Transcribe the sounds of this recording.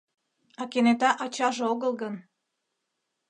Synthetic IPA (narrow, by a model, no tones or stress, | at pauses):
ɑkenet̪ɑʔɑt͡ɕɑʒeoɣəlˠɣən